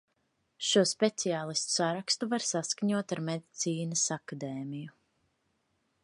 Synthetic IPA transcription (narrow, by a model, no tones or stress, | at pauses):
ʃuɔspet̪siaːlˠist̪u̥saɾakst̪uvaɾsaskaɲuɔt̪aɾmed̪it̪siːnɐsakad̪ɛːmiju